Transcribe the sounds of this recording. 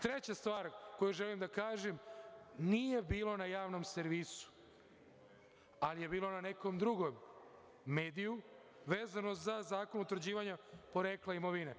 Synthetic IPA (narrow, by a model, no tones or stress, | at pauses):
t̪ɾe̞t͡ɕast̪ʋaːɾko̞juʒelimd̪akaːʒemnije̞biːlˠo̞najaːʋno̞mseɾʋiːsu̥ | alije̞biːlo̞nane̞ko̞md̪ɾuɡo̞mː | e̞ːd̪iju | ʋe̞ːzanozazaːko̞nut̪ɾd͡ʑiːʋaɲapo̞ɾeːklaimo̞ʋine